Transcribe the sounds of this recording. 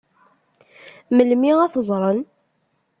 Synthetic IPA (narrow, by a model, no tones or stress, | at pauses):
məlmiæθəzˤɾˤən